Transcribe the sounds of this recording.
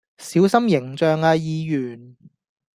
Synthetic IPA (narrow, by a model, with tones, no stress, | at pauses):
siː˨˥wsɐ˥mjɪ˨˩ŋt͡ʃœː˨˧ŋaː˧jiː˧jyː˨˩n